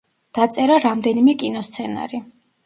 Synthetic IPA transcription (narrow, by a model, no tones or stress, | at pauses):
d̪̥at̪sʼɛɾaɾamd̪ɛnimɛkʼinɔst̪sʰɛna̰ɾi